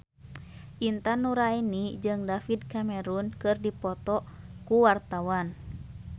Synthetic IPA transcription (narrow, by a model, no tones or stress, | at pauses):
ʔint̪anuɾainid͡ʒɨŋdafid̚kamɛɾunkɨrdipɔt̪ɔkuwart̪awan